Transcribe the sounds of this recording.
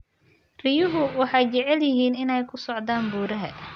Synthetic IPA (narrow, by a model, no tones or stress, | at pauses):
rɪjʊɦʊwɑħɑjt͡ʃɛʕɛljɪɦiːnɪnɛjkʰʊsɔʕd̪aːnbuːɾɐɦɐ